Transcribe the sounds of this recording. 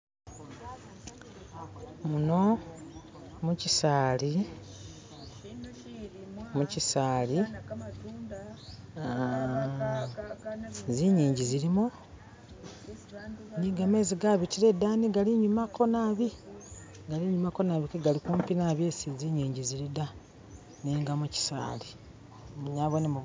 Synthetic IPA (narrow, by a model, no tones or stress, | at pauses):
muno̞ | mucisaːli | mucisaːli | ziɲiːɲɟiziɾimu | niːŋɡameziɡaβitiɾe̞daːniɡaliɲumako̞naβi | ɡaliɲumako̞naβikeɡalikuːmpinaβje̞siziɲiːɲɟiziɾida | niːŋɡamuci̥sa̰ːli | muɲaβonemu